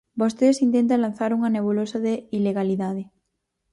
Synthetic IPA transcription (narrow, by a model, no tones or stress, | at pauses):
bost̪eðesint̪ent̪̬alan̟θaɾuŋɐneβ̞ulosaðeileɣaliðaðe